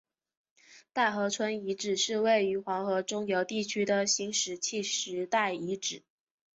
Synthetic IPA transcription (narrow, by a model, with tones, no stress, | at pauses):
t̪a˥˩ɪxɤ˧˥t͡sʰwə˥ni˧˥ʈ͡ʂɻ̩˨˩ʂɻ̩˥˧we˥˩ɪy˧˥xwɑ˧˥ŋxɤ˧˥ʈ͡ʂʊ˥ŋjo˧˥ʊt̪i˥˩t͡ɕʰy˥d̪ə˨ɕi˧˥ŋʂɻ̩˨˩t͡ɕʰi˥˩ʂɻ̩˧˥t̪a˥˩ɪi˧˥ʈ͡ʂɻ̩˨˩˦